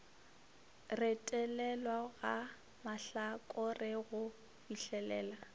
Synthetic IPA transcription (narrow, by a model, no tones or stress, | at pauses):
rɪtʼɛlɛlwaɣa | maɬakʼʊrɪɣʊ | biɬɛlɛːla